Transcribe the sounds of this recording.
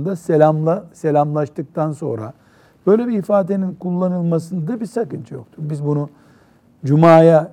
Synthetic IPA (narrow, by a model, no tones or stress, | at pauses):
nd̪aselʲamlˠaselʲamlˠaʃt̪ʰɯk̚t̪ʰanso̞̰nɾa̰ | b̥ø̞jlʲebiifaːd̪e̞ninkulˠːanɯlˠmasɯnd̪abiɾsakɯnt͡ʃʰɯjo̞k̚t̪ʰuɾbizbunu | d͡ʒumaːja